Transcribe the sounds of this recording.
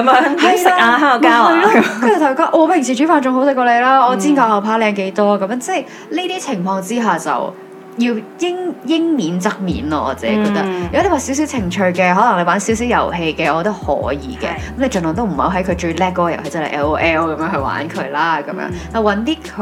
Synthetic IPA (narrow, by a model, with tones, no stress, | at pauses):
mː˨hɐ˨jjɪa˥kaː˧hœː˥ŋɔː˨˧kaː˥ɔɐ˨˩lɔ˥ɵ˧˥jɐ˨˩t̪ʰjkɔː˧˥ʔɔː˧pʰɪ˨˩ŋsiː˨˩t͡ʃyː˨˥faː˨˧nt͡ʃʊ˧ŋho˨˥sɪ˨˧kːɔː˧le˨˧laː˥ɔː˨˧t͡siː˥nŋkaː˨˧˩ɐ˨wpʰaː˨˥lɛː˧ŋke˧jt̪ɔː˥kɐ˨˦mjːnt͡sɛː˥˩j | li˥t̪iː˥t͡sʰɪ˨˩ŋfɔː˧ŋt͡siː˥ɦaː˨˩t͡sɐ̰˨w | jiː˧wjɪ˥ŋjɪ˥ŋmiː˨˥nt͡sɐ˥k̚mḭː˨˥nlɔ̰ː˧ʔɔ̰ː˨˧t͡sɛː˨˥kɔː˧t̪ɐ˥k̚yː˨kɔ˥le˨˩waː˨˩si˨˥ws̬i˨˥wt͡sʰɪ˨˩ŋt͡ʃʰɵ˧ɥkɛː˧ɦɔː˨˥lɐ˨˩ŋle˨˧waː˨˧˥nsi˨˥si˨˥wjɐ̰˨˩wɦe˧jkɛː˧ɔː˨˧t̪o˥hɔ̰ː˨˥jḭː˧kɛ̰ː˧kɐ˨˦mle˨˧jt͡ʃɵ˨nlɔ˨ŋt̪o˥wm̩˨˩hɐ̰˨˧wɦɐ˨˥jkʰɵ˨˧ɥt͡ʃɵ˧lɛː˥kːɔː˨˧˥jɐ˨˩whe˧jt͡sɛ˥hɐ˨˩ʔɛː˧˥o˥ʔɛː˥wkɐ˧˦mjœː˧ŋɦɵ˧wa̰ː˨˥nkʰɵ˨˧laː˥kɐ˨˧˦mjœ̰ː˧˥ŋna˨˩wɐ˨˧˥nt̪iː˥kʰ